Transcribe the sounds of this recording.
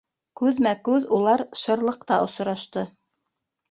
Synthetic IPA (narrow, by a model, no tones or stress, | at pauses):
kʉðmækʉðulˠɑɾʃɤ̆ɾlˠɤq̚t̪ɑʔŏs̆ɾɑʃt̪ɤ